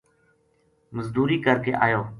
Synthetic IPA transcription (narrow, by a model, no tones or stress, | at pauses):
məzd̪uːɾiːkəɾkeːʔaːjoː